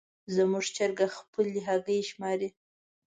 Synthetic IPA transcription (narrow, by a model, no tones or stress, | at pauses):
zəmuʐt͡ʃəɾɡaxpəlːiɦaɡəjʃmɑɾi